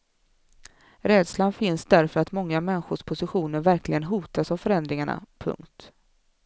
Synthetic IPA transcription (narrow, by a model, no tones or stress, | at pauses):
ɾɛːd̪slanfɪnsd̪æɾfœɾat̪mɔŋːamɛnɧʊʂpʰʊsɪɧuːnəɾvæɾklɪɡənɦuːt̪asavfœɾɛnd̪ɾɪŋaɳa̰pʰɵ̰ŋkt̪